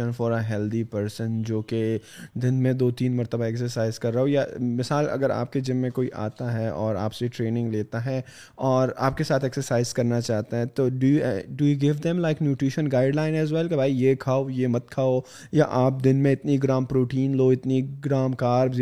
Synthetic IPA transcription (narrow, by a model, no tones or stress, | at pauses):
ə̃nfɔːɾəɦɛld̪ipəɾsə̃nd͡ʒoːke | d̪ɪnmẽd̪oːt̪iːnmɐɾt̪əbaɛksəɾsaːɪzkɐɾːɐɦojamɪsaːlɐ̰ɡəɾa̰ːp̚ked͡ʒɪmmẽkoːiʔa̰ːt̪aɦɛɔːɾa̰ːpseʈɾeːnɪ̃ŋɡleːt̪aɦɛ | ɔːɾa̰ːp̚kesaːt̪ʰɛksəɾsaːɪzkɐɾnat͡ʃaːɦt̪aɦɛ̃t̪oːɖujuɖujuɡɪʋd̪ɛ̃mlaɪknjuːʈɾɪʃə̃nɡaːɪɖlãːɪ̃nɛzwɛlkabʱaːijekʰaːojemɐt̪̚kʰaːo | jaʔaːp̚d̪ɪnmẽɪt̪niɡɾaːmpɾoːʈiːnloːɪt̪niɡɾaːmkaːɾbz